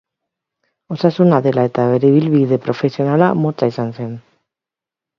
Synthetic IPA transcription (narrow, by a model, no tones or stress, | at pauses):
o̞sasunaðe̞lae̞t̪aβe̞ɾe̞iβilβiðe̞pɾo̞fe̞sio̞nalamo̞t͡saisanse̞n